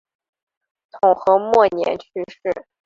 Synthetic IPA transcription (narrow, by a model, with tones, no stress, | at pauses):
t̪ʰʊ˨˩ŋxɤ˧˥mwɔ˥˩njɛ̰˧˥nt͡ɕʰy˥ʂɻ̩˥˩